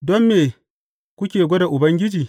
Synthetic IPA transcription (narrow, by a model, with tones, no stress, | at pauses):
dɔ˦mːeː˨ | kʷʊ˦kʲeː˨ɡʷɔ˦da˨ʔʊ˨bɐ˦ŋɡʲɪ˦d͡ʒiː˨